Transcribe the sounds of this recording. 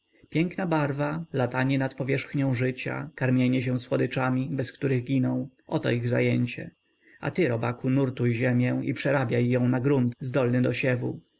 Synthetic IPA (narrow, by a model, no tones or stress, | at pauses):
pʲjɛŋknabaɾvalat̪aɲɛnat̪pɔvʲjɛʂxɲɔ̃w̃ʐɘt͡ɕa̰kaɾmʲjeɲɛɕ̬ɛw̃swɔd̪ɘt͡ʂamʲibɛskt̪uɾɘɣɡʲinɔ̃w̃ʔɔt̪ɔ̰iɣza̰jɛɲt͡ɕɛ̰ | a̰t̪ɘɾɔbakunuɾt̪ujʑɛmʲjɛ̃ḭpʂɛɾabʲjajːɔ̃w̃naɡɾunt̪zd̪ɔlnɘd̪ɔɕɛvṵ